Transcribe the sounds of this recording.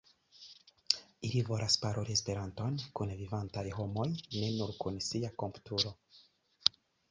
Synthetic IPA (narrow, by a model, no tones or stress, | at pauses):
ilivo̞lʔaspaɾʔoɾiespe̞ɾanto̞nkunvivantajɦo̞mo̞jne̞nuɾkunsiako̞mpu̥tuɾo̞